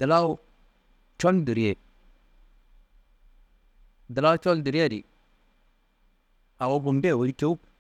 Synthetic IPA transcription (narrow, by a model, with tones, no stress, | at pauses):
d̥a˨la˦u˦ | t͡ʃo˦ndu˨ɾe˨ | da˨la˦u˦t͡ʃo˦ldu˨ɾe˦˨dḭ˨ | a˨wo˦bu˨mbe˦˨wo˨ɾi˦ke˦u˦